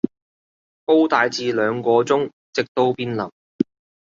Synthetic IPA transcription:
po˥wt̪aː˨˧jt͡siː˧lœː˨˧ŋkɔː˧t͡sʊ˥ŋ | t͡sɪ˨k̚t̪o˥wpiː˥nlɐ˨˩w

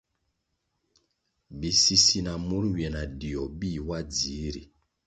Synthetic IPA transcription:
bi˨si˦si˦na˨mu˦ɾwjɛ˨na˨di˨ɔ˨bi˦˨wa˦d͡zi˨˦ɾḭ˨

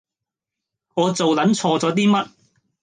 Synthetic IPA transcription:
ŋɔː˨˧t͡so˨wlɐ˨˥nt͡ʃʰɔː˧t͡sɔː˨˥t̪iː˥mɐ˥t̚

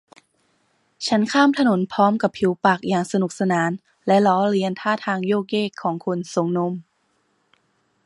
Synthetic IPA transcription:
t͡ɕʰa˦˥nkʰaː˥˩mt̪ʰa˧no˩˦npʰɔː˦˥mka˨˩pʰːi˨˩˦wpa˨˩k̚jaː˨˩ŋsa˧nu˨˩k̚sa˧naː˩˦n | lɛ˦˥lɔː˦˥ɾi˧ənt̪ʰaː˥˩t̪ʰaː˧ŋjoː˥˩k̬̚jeː˥˩kʰːɔː˩˦ŋkʰo˧nso˩˦ŋno˧˥m

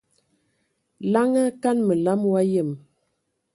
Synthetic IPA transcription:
la˦ŋa˦ka˦nmə˨la˦mwa˦jə˦˨m

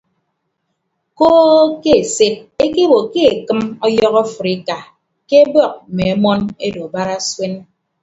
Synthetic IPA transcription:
koː˦ke˦e˨se˦t̚e˦ke˦bo˨ke˦e˨kɨ˦mɔ˦jɔ˦ɣɔ˦fu˨ɾi˦ka˨ | ke˦bɔ˦˨k̩̚˨me˨e˦mɔ˦ne˦do˨ba˦ɾa˦swe˦n

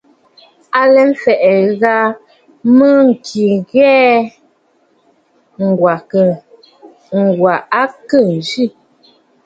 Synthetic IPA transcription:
a˨lɛ˨˦m̩˦fɛ˨ʔɛ˨ɣa˦ | mə˦ŋ̩˨kʰi˨ɣɛː˦ | ŋ˨ɡwa˨ | ŋ̩˨ɡwa˨a˦kə˦˨n̩˨d͡ʒi˦˨

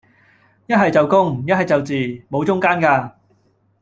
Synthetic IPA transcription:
jɐ˥t̚ɦɐ˨jt͡sɐ˨wkʊ˥ŋjɐ˥t̚hɦɐ˨jt͡sɐ˨wt͡siː˨˩mo˨˧wt͡sʊ˥ŋkaː˥nkaː˧

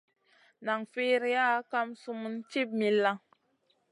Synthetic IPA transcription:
na˨ŋfi˦ɾi˦ja˦ka˦msu˦mu˦nt͡ʃi˦p̚mi˨la˦

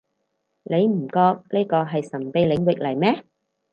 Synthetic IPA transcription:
le˨˧jm̩˨˩kɔː˧k̚liː˥kɔː˧ɦɐ˨jsɐ˨˩ŋpe˧jlɪ˨˧ŋwɪ˨k̚lɐ˨˩jmɛː˥

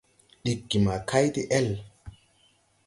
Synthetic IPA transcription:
ɗi˨kːi˨ma˨ka˦jt̪i˦ʔɛ˦l

